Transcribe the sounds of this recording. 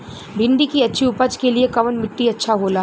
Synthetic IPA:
bʱɪ̃ɳɖikiɐtːʃʰiʊpəd͡ʒkeliekɐʋənmɪʈːiɐtːʃʰaɦoːla

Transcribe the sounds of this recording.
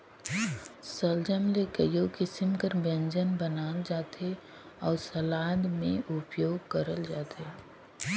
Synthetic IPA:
səld͡ʒəmlekəjokɪsɪmkəɾbə̃nd͡ʒənbənaːld͡ʒaːt̪e | ɔːɾsəlaːd̪mẽʔʊpjoːɡkəɾəld͡ʒaːt̪eː

